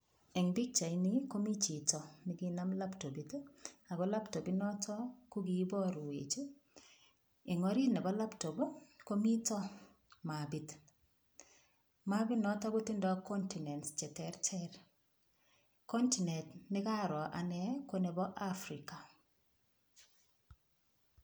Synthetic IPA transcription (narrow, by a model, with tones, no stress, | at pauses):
ɛ˨ŋbi˦k̚t͡ʃa˨ini˦ko˦mi˦t͡ʃi˨tɔ˨nɪ˦ɡi˦na˦mla˦pto˨bi˨ta˨ɡɔ˦la˦pto˨bi˦nɔ˦tʰɔ˦ku˦ɡi˨˦bɔ˦ɾwḛ˨t͡ʃ | ɪ˨ŋɔ˨ɾi˦nɛ˨bɔ˦la˦pto˨bo˦ko˦mi˦tɔ˦ | ma˨bi˨t | ma˦bi˦nɔ˦tɔ˦ɡu˦ti˦ndɔ˨˦kɔ˦nti˨nɛ˨nst͡ʃɛ˨tɛɾtʰɛɾ | kɔ˦nti˨nɛ˨tnɪ˦ka˦ɾɔ˨ʔa̰˨nɛ˦ko˦nɛ˨bɔ˦ʔa˦fɾi˨ka˨